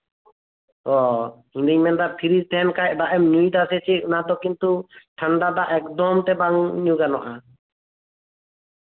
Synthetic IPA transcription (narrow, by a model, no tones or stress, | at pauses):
ɔ | iɲd̪iɲmɛnd̪apʰiɾit̪ʰɛɛnkajɛʔd̪aʔɛmɲujd̪asɛsiunad̪ɔkint̪uʈʰəɳɖad̪aʔɛkd̪ɔmt̪ɛbaŋɲuɡanɔʔa